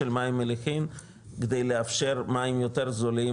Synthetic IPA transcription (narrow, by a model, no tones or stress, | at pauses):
elmaimelexim | ɡedejleafʃeʁmaimjoteɾzoli